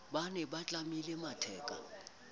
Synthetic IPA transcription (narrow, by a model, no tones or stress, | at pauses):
ɓanɛɓat͡ɬʼamilɛmatʰɛːkʼa̰